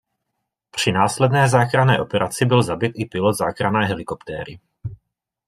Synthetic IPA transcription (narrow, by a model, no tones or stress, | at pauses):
pr̝̥ɪnaːslɛdnɛːzaːxɾanɛːʔo̞pɛɾʔat͡sɪbɪlzabɪt̪ɪpɪlod̪zaːkɾanɛːɦɛlɪko̞pt̪ɛ̰ːɾɪ̰